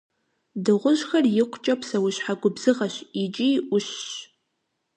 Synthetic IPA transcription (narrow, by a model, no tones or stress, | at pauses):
dɨʁʷʊʑxɐrjɪqʷʊt͡ʃʼɐpsɐwʊɕħaɡʷʊbz̥ɨʁɐɕɪt͡ʃʼiʔʷʊɕɕ